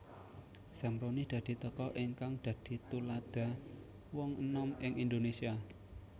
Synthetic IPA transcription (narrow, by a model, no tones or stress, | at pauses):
samɾonid̪̥ä̤d̪̥i̤t̪əkɔʔiŋkaŋd̪̥ä̤d̪̥i̤t̪ulad̪̥ä̤ | wɔŋənɔmɪŋind̪onesia